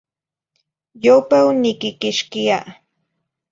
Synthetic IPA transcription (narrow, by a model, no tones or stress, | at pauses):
jowpawnɪkɪkɪʃkɪja